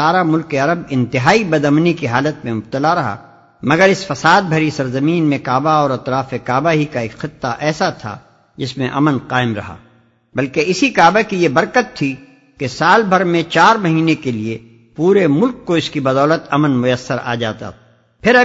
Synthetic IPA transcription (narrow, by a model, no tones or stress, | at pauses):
aːɾamʊlkeɐɾəbɪ̃nt̪ɪɦaːibɐd̪ɐmnikiɦaːlət̪mẽmʊb̚t̪əlaɾɐɦa̰ː | mɐɡəɾɪsfɐsaːd̪̚bʱɐɾisɐɾzɐmiːnmẽkaːbaɔːɾɐt̪ɾaːfekaːbaɦikaeːkxɪt̪ːaʔɛːsat̪ʰa̰ | d͡ʒɪsmẽʔɐ̰mənqaːɪmɾɐ̰ɦa̰ː | bɐlkeɪsikaːbakijebɐɾkət̪ʰːi | kesaːlbʱɐɾmẽt͡ʃaːɾmɐɦiːnekelie | puːɾemʊlkːoɪskibɐd̪ɔːlət̪ɐmənmʊjəsːəɾa̰ːd͡ʒaːt̪a̰ | pʰɪɾɐ